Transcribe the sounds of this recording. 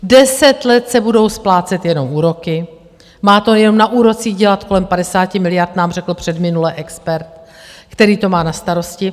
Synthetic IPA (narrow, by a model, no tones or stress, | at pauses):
dɛsɛt̪lɛt̪sɛbudo̞wsplaːt͡sɛt̪jɛno̞mʔuːɾo̞kɪ | maːt̪o̞jɛno̞mnaʔuːɾo̞t͡siːɣɟɛlat̪ko̞lɛmpadɛsaːcɪmɪlɪjaɾt̪naːmr̝ɛkl̩pr̝̥ɛdmɪnulɛʔɛkspɛɾt̪kt̪ɛɾiːt̪o̞maːnast̪aɾo̞scɪ